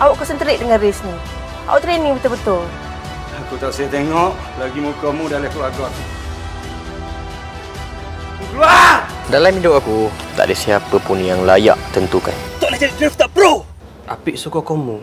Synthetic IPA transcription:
ʔawaʔkusənt̪əɾɪʔdəŋãnresni | ʔao̰ʔt̪ɾeniŋbut̪əbət̪ʊl | akut̪aʔsajat̪eŋɔʔ | laɡimukomudalakuaɡak | ɡlua | dalamidʊʔakut̪a̰ʔdəsiapəpunjaŋlaja̰ʔt̪ənt̪uka̰nt̪ɔʔlahd͡ʒadiɡɾift̪aʔpɾo | ʔapiʔsukɔkɔmu

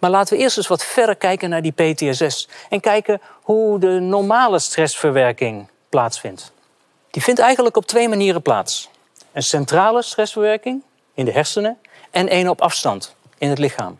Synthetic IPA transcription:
maːɹlaːtəʋəʔɪːɹstənsʋɑtfɛɹdəɹkɛjkənaːɹdipejteɛsɛsɛnkɛjkən | ɦudənɔɹmaːləstrɛsfəɹʋɛɹkɪŋ | plaːtsfɪnt | d̥ivɪntɛjχənləkɔp̚tʋejmaniːrəpla̰ːts | ənsɛntraːləstrɛsfəɹʋɛɹkɪŋ | ɪndəɦɛɹsənə | ɛnʔejnɔpɑfstɑnt | ɪnɦətlɪχa̰ːm

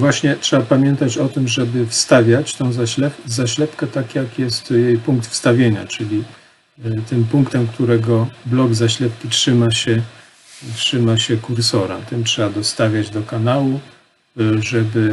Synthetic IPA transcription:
vwaɕɲɛtʂɛbapamʲjɛnt̪at͡ɕɔt̪ɘmʐɛbɘfst̪avʲjat͡ɕt̪ɔ̃w̃zalɛzaɕlɛpkɛt̪akjakjɛst̪jejpuŋk̚t̪fst̪avʲjeɲa̰t͡ʂɘlʲi | t̪ɘmpuŋkt̪ɛmkt̪uɾɛɡɔblɔɡzaɕlɛp̚kʲitʂɘmaɕɛ | tʂɘmaɕɛkuɾsɔɾa̰t̪ɘmtʂɛbad̪ɔst̪avʲjad͡ʑd̪ɔkanawu | ʐɛbɘ

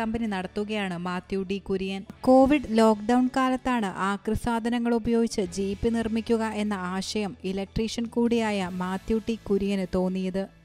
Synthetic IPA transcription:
ɐmbɐninɐɽɐt̪ːuɣɐjaːɳɨmaːt̪juːɖikuɾujɐnko̞ːʋiɖlo̞ːkɖɐwɳkaːlɐt̪ːaːɳɨʔaːkrɨsaːd̪ʱɐnɐŋːɐɭubɐjo̞ːɡit͡ɕːɨd͡ʑiːpːinirmikʲːuɣɐʔe̞nːɐaːɕɐjɐmilɐk̚ʈriːʂɐnkuːɽijaːjɐmaːt̪juʈːikuɾujɐnɨt̪o̞ːnːijɐðɨ

